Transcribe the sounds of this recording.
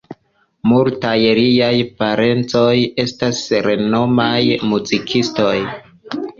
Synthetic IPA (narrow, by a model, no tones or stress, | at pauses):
multajɾijajpaɾe̞nt͡so̞je̞stasɾe̞no̞majmuzikʰisto̞j